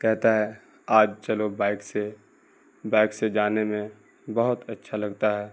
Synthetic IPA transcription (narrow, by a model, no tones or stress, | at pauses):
kɛɦt̪aɦɛ | aːd͡ʒt͡ʃɐlobaːɪkse | baːɪksed͡ʒaːnemẽ | bɐɦʊt̪ɐtːʃʰalɐɡt̪aɦɛː